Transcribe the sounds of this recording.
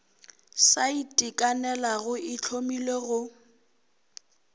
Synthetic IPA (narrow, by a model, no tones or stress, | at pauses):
saitʼikʼanɛlaɣʊʔɪt͡ɬʰomileɣʊ